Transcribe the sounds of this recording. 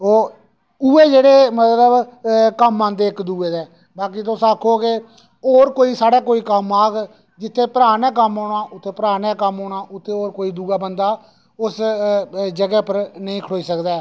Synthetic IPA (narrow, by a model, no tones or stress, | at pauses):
oː | uːeːd͡ʒeːɽeːmət̪ləbkəmːãːnd̪eːɪkd̪uːeːd̪ɛː | baːkit̪ʊsaːkʰoːke | oːɾkoːiːsaːɽaːkoːiːkəmaːɡ | d͡ʒɪt̪ʰːeːpəɾaːnɛːk̬əmɦoːɳaːʔʊt̪ʰːeːpəɾaːnɛːkəmɦoːɳaːʔʊt̪ʰːeːoːɾkoːiːd̪uːɡaːbənd̪aː | ʊs | d͡ʒəɡɛːpəɾnəĩːkʰəɽoːiːsəkd̪aː